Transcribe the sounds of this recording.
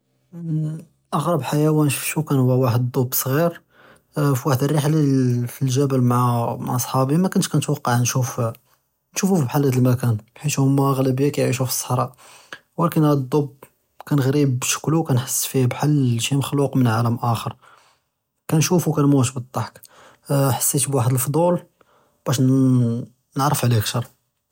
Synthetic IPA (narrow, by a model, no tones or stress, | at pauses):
ʔɑɣɾˤɑbħajæwænʃu̥fʃukænhʊwːæwaħəd̪d̪ˤobːsˤɣiɾ | fiwaħəd̪ərˤːiħlafilʒæbəlmʕamaʕsˤħɑbimækʊnːʃkænət̪wɑqːɑʕnʃuf | nʃufufibħalːhæd̪əlmækænħiʃhʊmːæɣlæbijːakæjʕiʃ̬ufi̥sˤːə̥ħɾˤɑʔ | wælkənæd̪ˤːob | kænɣɾibʃə̥kluwkænħəsˤːfibħalːʃiməxluqmənʕaləmʔæxəɾˤ | kænʃufukænmuʃbət̪ˤːɑħk | ħə̥sːit̪bwaħəd̪əlfd̪ˤul | b̥æʃ | nəʕɾˤəfʕlikʃɑɾˤ